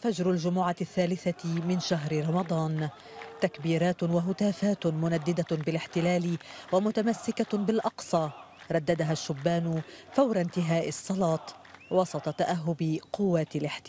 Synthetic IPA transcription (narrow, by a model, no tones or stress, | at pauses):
fad͡ʒɾʊld͡ʒʊmʊʕaθːaːlɪθamɪnʃaɦɾɪɾˤɑmɑd̪ˤɑːn | t̪akbiːɾaːt̪waɦʊt̪aːfaːt̪mʊnad̪ːɪd̪abɪlɪħt̪ɪlaːlɪwamʊt̪amasːɪkabɪlʔɑqsˤɑː | ɾˤɑd̪ːad̪aɦaʃːʊbːaːnʊfawɾˤɑnt̪ɪɦaːʔɪsˤːɑlɑːt̪ˤ | wɑsˤɑt̪ˤɑt̪aʔaɦːʊbɪqʊwːalɪħt̪ɪ